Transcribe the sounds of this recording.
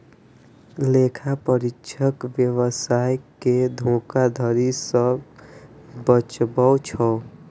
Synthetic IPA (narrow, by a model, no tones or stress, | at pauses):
lekʰapəɾikʃʰəkʋjəwəsajked̪ʱõkad̪ʱəɾisə | bət͡ʃbəwt͡ʃʰɔ